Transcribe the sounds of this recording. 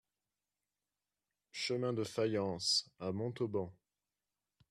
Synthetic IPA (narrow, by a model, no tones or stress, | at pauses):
ʃəmɛ̃d̪əfajɑ̃samɔ̃t̪obɑ̃